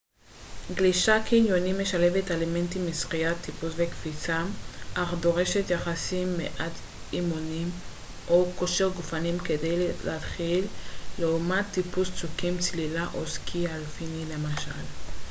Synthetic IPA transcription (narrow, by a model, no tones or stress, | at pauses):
ɡliʃakinjo̞nime̞ʃale̞vetaleme̞ntimisχiat̪ːipusvekfit͡saʔaχd̪o̞ʁe̞ʃe̞tjaχasimːḛʔat̪ | imonim | ʔokoʃeʁɡufanimke̞dejlḛat̪χilːeumat̪ːipust͡sukimt͡slilaʔoskʰialfinile̞maʃal